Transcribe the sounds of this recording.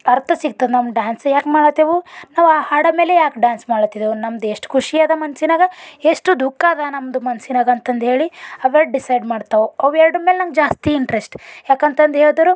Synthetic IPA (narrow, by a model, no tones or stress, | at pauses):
ɐɾt̪ʰɐsiɡ̚t̪ɐd̪nɐmɖaːnsjaːkmaːɽt̪ːeʋunaːʋaːhaːɽɐme̞ːlejaːkɖaːnsmaːɽt̪ːid̪eʋunɐmd̪eʂʈkʰuʂijaːd̪ɐmɐnsinaːɡɐeʂʈud̪ukːaːd̪ɐnɐmd̪umɐnsinaːɡɐnt̪ɐnd̪ɦe̞ːɭiɐʋeɖisɐjɖmaːɖt̪ɐʋuɐʋɛɾɖɐmeːlenɐmɡɐd͡ʒaːst̪iiɳʈɾesʈjaːkɐnt̪ɐnd̪ɦeːɭd̪ɐɾu